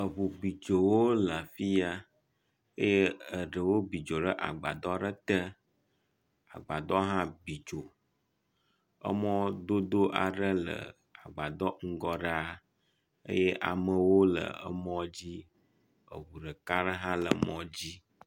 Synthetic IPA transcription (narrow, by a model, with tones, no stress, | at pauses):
ə˨βu˨bi˨d͡ʒo˨wo˦la˨fi˦ja˦ | ə˦je˦ə˨ɖə˨wo˦bi˨d͡ʒo˨ɖə˦ʔa̰˨ɡ͡ba̰˨d̪ɔ˦ɖə˦t̪ə˦ | a̰˨ɡ͡ba˨d̪ɔ˦ɦã˦bi˨d͡ʒo˨ | ə̰˦mɔ̃˦d̪o˦d̪o˦ʔa˨ɖə˦lə̰˨ | a˨ɡ͡ba˨d̪ɔ˦ŋ̩˦ɡɔ˦ɖa˦ | ə̰˦je˦ʔa̰˨mə˨wo˦lə̰˨ə̰˦mɔ̃˦d͡ʑi˦ | ə̰˨βu˨ɖə˨ka˦ɖə˦ɦã˦lə̰˨mɔ̃˦d͡ʑi˦